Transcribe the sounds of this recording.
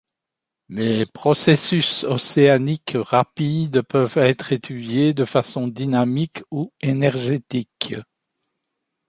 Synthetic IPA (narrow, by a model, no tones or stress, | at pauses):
lepχɔsesysɔseanikʁapid̪pœvɛt̪χet̪ʰyd̪jed̪əfasɔ̃d̪inamikuenɛʁʒet̪ik